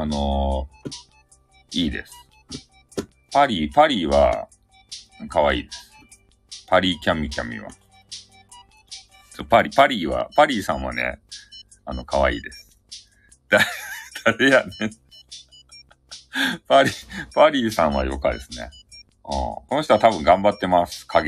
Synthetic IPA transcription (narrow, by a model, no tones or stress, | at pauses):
ano̞ | iːd̪e̞̰sɨ̥ | paɾʲiːpaɾʲiːβa̰ | kaβaḭːd̪e̞sɨ̥ | pʰaɾʲiːkʲamʲikʲamʲḭβa̰ | sopaɾʲipaɾʲiːβa̰paɾʲiːsãɰ̃βa̰nḛ | ano̞kaβa̰ḭːd̪e̞sɨ̥ | d̪̥ad̪̥aɾejane | paɾʲipaɾʲiːsãɰ̃βa̰jo̞̰kad̪e̞sɨne̞̰ | ɯ̰̃ːko̞noçit̪oat̪abɯ̟̃ŋɡãmbat̪ːe̞masɨ̥kʰaɡ